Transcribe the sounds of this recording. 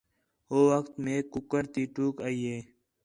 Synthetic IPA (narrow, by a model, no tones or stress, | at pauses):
oːwəxt̪mẽːkʊkəɾt̪iːʈuːkaːieː